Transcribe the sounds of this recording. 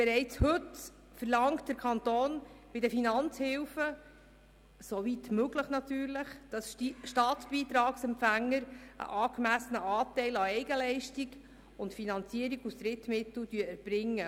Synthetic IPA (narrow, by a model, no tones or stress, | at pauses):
b̥ɛɾɛɪt͡shɵt | fəɾlɑŋtd̥əɾkʰɑnt̪oːnb̥ɪdəfinɑnt͡shɪlfə | sovitmøɡləχnɑtyːɾləχd̥ɑsʃtɑːtb̥iːt̪ɾɑːksɛmpfæŋːəɾə̰ʔɑːkmæsənəɑːtɛɪlɑɛɪɡəlɛɪʃtiɡ | ʊntfinɑnt͡siəɾiɡusdɾɪtmɪtl̩d̥yəəɾb̥ɾɪŋːə